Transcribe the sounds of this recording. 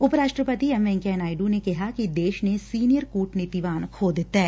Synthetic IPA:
ʊpɾaːʃʈɾəpət̪iɛmʋɛ̃ŋkɛːnaːɪɖunekɛɦakid̪eːʃnesiːnijəɾkuːʈnɪt̪iʋaːnkʰoːd̪t̪ɛː

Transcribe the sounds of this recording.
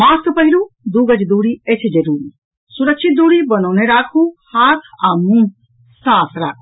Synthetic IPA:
maːst̪pɐɦiɾud̪uːɡɐd͡ʒd̪uːɽiet͡ʃʰid͡ʒɐɾuːɾi | suɾɐkʃʰit̪̚d̪uːɽibɐnɔːneɾaːkʰũhaːt̪ʰaːmũ | saːsʰɾaːkʰu

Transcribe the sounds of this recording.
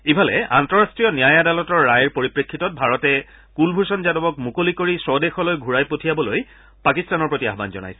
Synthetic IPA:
ibʱalɛ̰ʔa̰ntɔɹastɹijɔnijajadalɔtɔɹːajɹpoɹipɹekʰːitɔt̚bʱaɹɔtɛ | kulbʱuɹsɔnzadɔbɔk̚mukolikoɹisɔdexɔlojɡʱuɹajpotʰijabɔloj | pakistanɔɹpɹotia̰ɦba̰nzɔ̰na̰jsɛ̥

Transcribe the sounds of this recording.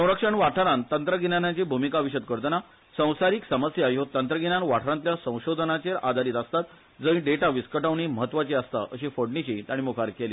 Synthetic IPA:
sə̃w̃ɾəkʂəɳʋaʈʰəɾant̪ənt̪ɾəɡinanjãt͡ɕibʱumikaʋiɕəd̪̚kəɾt̪əna | sə̃w̃saɾiːksəməsjaajɦot̪ːənt̪ɾəɡinãnʋaʈʰɾãnt̪ljasə̃w̃ɕod̪ʱənat͡ɕeɾad̪ʱaɾiːt̪əst̪at̪ | d͡zəĩɖeʈaʋiskəʈaʋɳiːməɦət̪ːʋat͡ɕiəst̪a̰ʔəɕiːfoɽɳit͡ɕit̪aɽ̃imukʰaɾkelḭː

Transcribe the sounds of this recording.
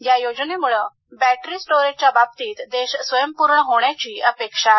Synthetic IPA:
jajod͡ʑnemuɭə | bæʈɾiːsʈoɾed͡ʑt͡ɕjababt̪iːt̪d̪eɕsʋəjəmpuɾɳəɦoɳ̃jat͡ɕiːəpekʂa

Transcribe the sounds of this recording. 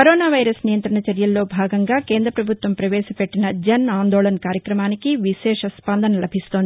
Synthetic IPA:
kɐɾoːnaːʋɐjɾɐsnijɐnt̪ɾɐɳɐt͡ʃɐɾjɐlːo̞ːbʱaːɡɐŋɡaːkeːnd̪ɾɐpɾɐbʱut̪ʋɐmpɾɐʋɛːʃɐpeʈːinɐd͡ʒɐnaːnd̪oːlɐnɐkaːɾjɐkɾɐmaːnikiʋiʃɛːʂɐspɐnd̪ʱɐnɐlɐbʱist̪o̞ːnd̪i

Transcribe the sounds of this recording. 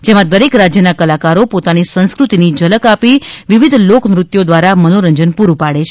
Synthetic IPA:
d͡ʒemãd̪əɾekɾad͡ʒjənakəlakaɾopot̪anisə̃nskɾut̪inid͡ʒələkapiʋiʋid̪ʱloknɾʊt̪jod̪ʋaɾamənoɾəɲd͡ʒənpuɾupaɽet͡ʃʰe̥

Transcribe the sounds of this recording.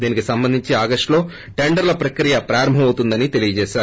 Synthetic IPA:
d̪iːnikːɨsɐmbɐnd̪ʱiɲt͡ɕɨaːɡɐʂʈlo̞ː | ʈe̞ɳɖɐɾlɐpɾɐkɾijɐpɾaːɾɐmbʱɐmɐwt̪ːund̪ɐnːit̪e̞lijɐt͡ɕe̞ːʃaːɾ

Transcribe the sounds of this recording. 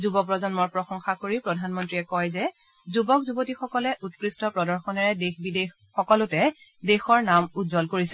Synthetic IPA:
zubɔkp̬ɹɔzɔnmɔɹpɹɔxɔŋxakoɹipɹɔdʱanmɔntɹiɛkɔjzɛ | zubɔkzubotixɔkɔlɛʔutkɹistɔpɹɔdɔɹxɔnɛɹɛdexbidex | xɔkɔlʊtɛdexɔɹnamutzɔlkoɹisɛ

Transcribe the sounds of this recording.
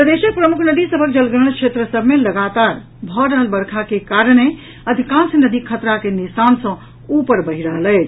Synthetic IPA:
əd̪esək̚pɾəmukʰnəd̪isəbʱək̚d͡ʒəlɡəɾə̃kʰʃʰet̪ɾəsəbʱmeləɡat̪aɾ | bʱɔɾəɦəlbəɾkʰakekaɾɽ̃e | əd̪ʱikãnsnəd̪ikʰət̪ɾakenisansə̃ | upəɾbəɦiɾəɦələɪt͡ʃʰ

